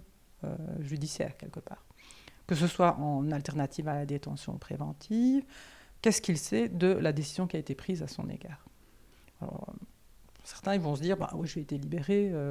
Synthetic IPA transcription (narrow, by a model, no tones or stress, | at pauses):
ø̰ʒyd̪isjɛ̰ːʁkʲɛ̰lkəpa̰ːʁkəs̬əswaʔɑ̃nalt̪ɛʁnat̪ʰivalad̪et̪ɑ̃sjɔ̰̃pχḛvɑ̃t̪ʰivkʲɛskilsɛd̪əlad̪esizjɔ̃kʲiaet̪epχizasɔ̰̃nḛɡaːʁ | alɔ̰ | sɛʁt̪ɛ̃ilvɔ̃s̬əd̪iːʁbã̰wiʒeet̪elibeʁeø